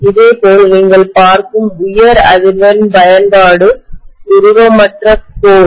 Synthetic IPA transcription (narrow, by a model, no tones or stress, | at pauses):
ɪðeːpoːlniːŋɡɐɭpaːɾkɯmʊjɐɾɐ̰ðɪɾʋɐɾɪnbɐjɐnbaːɽɯʊɾɯɾoːmɐʈrɐpoː